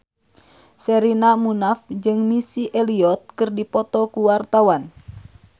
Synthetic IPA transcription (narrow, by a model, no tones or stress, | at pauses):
sɛɾinamunafd͡ʒɨŋmisiʔɛliɔt̪̚kɨrdipɔt̪ɔkuwart̪awan